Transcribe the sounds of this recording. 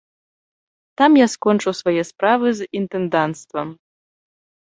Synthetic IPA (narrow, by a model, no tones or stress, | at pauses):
t̪amjaskɔnt͡ʂɨwsvajɛspɾavɨzint̪ɛnd̪ant̪st̪vɐm